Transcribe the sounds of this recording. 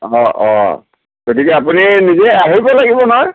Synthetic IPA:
ɔ̃ʔɔ̰̃ | ɡ̥otikɛapuninizɛaɦibɔlaɡibɔnɔj

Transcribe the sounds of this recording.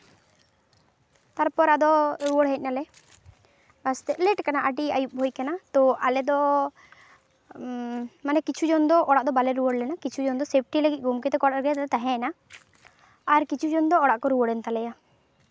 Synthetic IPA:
t̪aɾpɔɾad̪ɔɾuwəɽɦɛc̪̚ˀnalɛ | ast̪ɛʔlɛʈkanaʔəɖia̰jup̚bʱojkanat̪ɔʔalɛd̪ɔ | manɛkit͡ʃʰud͡ʒɔnd̪ɔʔɔɽaʔd̪ɔbalɛɾuwəɽlɛnakit͡ʃʰud͡ʒɔnd̪ɔsep̚ʰʈiləɡit̪̚ˀɡʱumkɛt̪ɛkɔɽaɾɡɛt̪ɛt̪aɦɛ̃na | aɾkit͡ʃʰud͡ʒɔnd̪ɔːɽaʔkɔɾuwəɽɛnt̪alɛja

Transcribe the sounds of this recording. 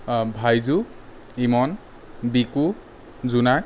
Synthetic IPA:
bʱajzu | imɔn | biku | zunak̚

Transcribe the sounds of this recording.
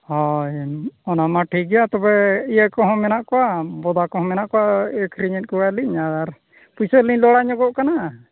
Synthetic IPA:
hɔjɔnamaʈʰiɡɛjat̪ɔbɛijəkɔɦɔ̃mɛnaʔkɔwabɔd̪akɔɦɔ̃mɛnaʔkɔwaɛkɾiɲɛt̪̚ˀkɔwaliɲaaɾ | pujsəliɲlɔɽaɲɔɡɔʔkana

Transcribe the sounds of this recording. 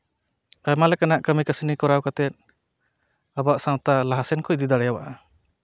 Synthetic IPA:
ajmalɛkanaʔkəmikasinikɔɾawkat̪ɛt̪̚ | abaʔsawt̪alaɦasɛnkɔjd̪id̪aɽɛjawaʔa

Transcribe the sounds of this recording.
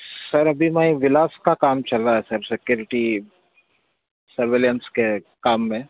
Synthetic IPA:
sɐɾɐbʱimɛĩʋɪlaːskakaːmt͡ʃɐlːaɦɛsɐɾsɪkjoːɾɪʈi | sɐɾʋeːljənske | kaːmːẽ

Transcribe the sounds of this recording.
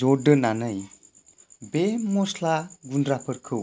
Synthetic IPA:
ɔdɯnanɯj | bemɔslaɡundɾapʰɯɾkʰɯw

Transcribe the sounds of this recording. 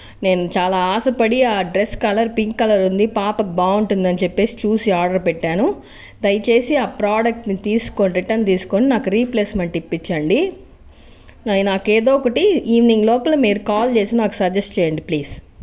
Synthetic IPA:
ne̞ːnut͡ʃaːlaːaːsɐpɐɽiaːɖɾeskɐlɐɾpiŋkːɐlɐɾund̪ipaːpɐkibaːuɳʈund̪ɐnit͡ʃepːe̞ːsi̥t͡ʃuːsiaːɾɖɐɾpɛʈːaːnu | d̪ɐjt͡ʃe̞ːsiaːpɾaːɖɐk̚ʈnit̪iːsu̥konɾiʈɐnt̪iːsu̥ko̞ːninaːkuɾiːpleːsmeɳʈipːit͡ʃːɐɳɖi | ɐjnaːkeːd̪oːɔkɐʈiiːʋniŋɡlɔːpɐlɐmiːɾukaːlt͡ʃe̞ːsinaːku̥sɐɾd͡ʒesʈt͡ʃɛːjɐɳɖipliːs

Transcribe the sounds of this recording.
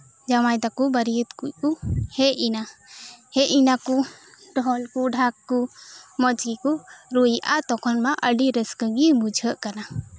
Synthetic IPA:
d͡ʒamajd̪akubəɾiət̪kuʔkuhɛinahɛinakuɖɔɔlkuɖʱakːumɔd͡ʒɡikuɾujʔat̪ɔkʰɔnmaʔəɖiɾəskəɡibud͡ʒʱəʔkana

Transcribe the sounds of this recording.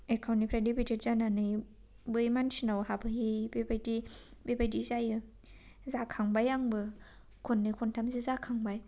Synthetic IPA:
ekʰawnipʰɾedipited̚zananɯj | bɯjmansinawhabɯɦibebajdibebajdizajɯ | zakʰaŋbajaŋbɯ | kʰonːɯkʰontʰamzizakʰaŋbaj

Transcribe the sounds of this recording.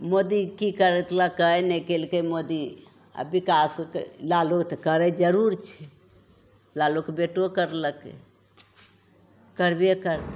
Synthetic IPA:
mod̪ikikəɾɛt̪ʰləkəjnɛkelkəmod̪i | a̰bikaskḛlalokt̪kəɾɛd͡ʒəɾuɾt͡ʃʰɛ | lalokbeʈokəɾləkḛ | kəɾbekəɾ

